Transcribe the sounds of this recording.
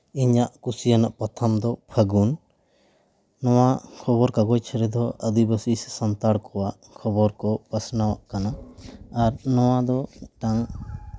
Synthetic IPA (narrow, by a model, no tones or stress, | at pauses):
iɲaʔkusijanaʔpat̪ʰamd̪ɔpʰəɡun | ɔwakʰɔβɔɾkaɡɔjt͡ʃʰɛɾɛd̪ɔəd̪ibəsissant̪aɽkɔwaʔ | kʰɔbɔɾkɔpəsnawaʔkanaaɾnɔwad̪ɔʈaŋ